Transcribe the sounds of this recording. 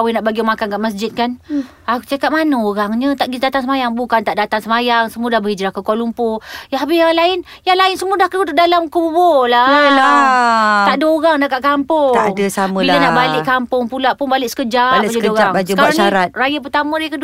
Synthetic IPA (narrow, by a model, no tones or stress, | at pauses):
wɪnaʔbaɡiomakankaʔmasd͡ʒɪt̪̚kan | at͡ʃakat̪̚manəoɾaŋɲət̪aʔɡid̪at̪aŋsəmajaŋbukant̪aʔdat̪aŋsəmajaŋsəmudahbəhid͡ʒɾahkəkwalumpojaɦabɪjaŋlaɪn | jaŋlaɪnsəmudahkəut̪udalamkububolaəla | t̪aʔdaoɾaŋdakaʔkampʊaŋdəsamə̃ilanaʔbalɪʔkampʊŋpulaʔpʊnbalɪʔsə̥kəd͡ʒalaakod͡ʒɾaaŋd͡ʒəkaaɾʃaɾat̪̚rajap̬ət̪amə̃ɾajakəd